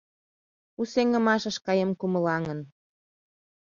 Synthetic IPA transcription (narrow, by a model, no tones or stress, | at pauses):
useŋə̆mɑʃə̆ʃkɑjemkumə̆lɑŋən